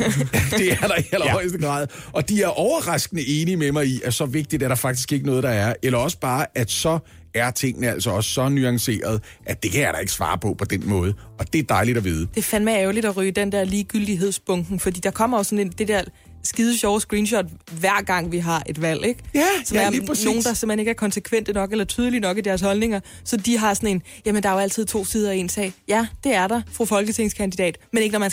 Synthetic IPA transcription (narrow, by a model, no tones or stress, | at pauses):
d̥e̝æɐd̥ɑ̈ihel̰ɐɒɪsd̥əɡ̥ʁɑ̰̈ːðˠʔɒ̽d̥iæɐʔɒʊɐʁɑ̈sɡ̥ənəʔe̝ːnimemɑ̈ɪiʔæsɒ̽ʋe̝ɡ̥̚d̥id̥æɐɾ̥ɑ̈fɑ̈ɡ̥̚d̥isɡ̥eɡənɔ̽ːðˠd̥ɑ̈æɐelɐɒ̽sə̥b̥ɑ̈ːʔæ̥sɒ̽ | æɐt͡sʰe̝ŋ̰nəæl̰sɒɒ̽ssɒ̽nyɑ̈ŋse̝̰ːɐð̞ˠ | ʔæd̥e̝kʰæjaɐɾ̥ɑ̈e̝ɡ̥sʋɑ̰̈ːpʰɒ̽pʰɒ̽d̥en̰mɔ̽ːð̞ˠəɒ̽d̥e̝ɐd̥ɑ̈ɪlid̥ɒʋiːð̞ˠəd̥e̝fænmæɛʊlid̥ɒʁyːd̥end̥ɛɐliːɡ̥yld̥iɦe̝ð̞̰ˠsb̥ɔ̽ŋɡ̥n̩fɒd̥ḭːd̥ɑ̈kʰɒ̽m̰ɐjosɒ̽ne̝nd̥e̝d̥ɛɐ̰ | sɡ̥iːð̞ˠəɕɒʊsɡ̥ʁiːnɕɒ̽d̥ʋæɐ̰ɡ̥ɑ̈ŋ̰ʋiɦɑ̈ʔe̝d̥ʋæl̰eɡ̥sɒ̽ɐno̝̰ːn̩d̥ɑ̈semheneɡ̥æɐkʰɒ̽nsekʰʋen̰d̥ənɒ̽ɡ̥elɐt͡sʰyːð̞ˠəlinɒ̽ɡ̥id̥æɐs̬hɒ̽lne̝ŋɐ | sɒ̽d̥iɦɑ̈sɒ̽ne̝n | jæmənd̥ɑ̈ɐjoæl̰t͡sʰið̞̰ˠt͡sʰo̝̰ːsiːð̞ˠɐe̝nsɛ̰ɪ̰jæd̥e̝æɐɾɑ̈fʁofɒ̽lɡ̥ət͡sʰe̝ŋskʰænd̥id̥ɛ̰ːd̥mene̝ɡ̥ənɒmæn